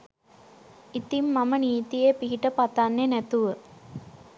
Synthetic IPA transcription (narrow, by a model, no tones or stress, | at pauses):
it̪imːaməniːt̪ijepiɦiʈəpat̪anːenæt̪uʋə